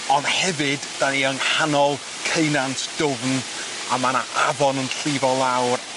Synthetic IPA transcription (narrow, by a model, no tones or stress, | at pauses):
ɔnd̥hɛvɨdːaniəŋhanɔlˠ | kʰejnantʰd̥ʊvn | amanaʔavɔnənɬɪvɔlˠawr